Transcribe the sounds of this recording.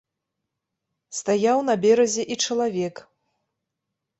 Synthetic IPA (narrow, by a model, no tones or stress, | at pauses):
st̪ajawn̪ɐbʲɛɾɐzʲɛʔit͡ʂɐlˠavʲɛk